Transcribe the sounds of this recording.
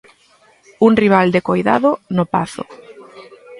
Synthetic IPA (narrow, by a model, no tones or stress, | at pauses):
uŋriβ̞ald̪ekojða̰ðʊnopa̰θʊ̰